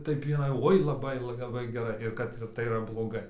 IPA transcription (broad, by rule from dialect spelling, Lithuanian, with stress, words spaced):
ˈtɐɪp ɪˈnɐɪ ˈoːɪ lˠɐˈbɐɪ lˠɐˈbɐɪ ɡʲɛˈrɐɪ ɪr ˈkɐt tɐɪ iːˈrɐ blˠoːˈɡɐɪ